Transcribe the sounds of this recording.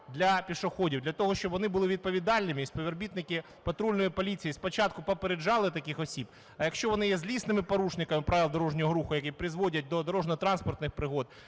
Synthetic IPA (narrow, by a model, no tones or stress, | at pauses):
d̪lʲɐpʲiʃʊxɔdʲiwd̪lʲɐt̪ɔɦɔʃt͡ʃɔbʋɔnɪbʊlˠɪʋʲid̪̚pɔʋʲid̪ɑlʲnɪmʲispɔʋʲɛrbʲit̪nɪkɪ | pɐt̪ɾulʲnɔjipɔlʲit͡sʲijispɔt͡ʃɑt̪̚kʊpɔpeɾed͡ʒɑlˠɪt̪ɐkɪxɔsʲib | ɐjɐkʃt͡ʃɔʋɔnɪjɛzʲlʲisnɪmɪpɔɾuʃnɪkɐmɪpɾaʋɪlˠd̪ɔɾɔʒnʲɔɦɔɾuxʊjɐkʲipɾɪzʋɔdʲɐt̚ʲd̪ɔd̪ɔɾɔʒnɔt̪ɾɑnspɔrt̪nɪxpɾɪɦɔd̪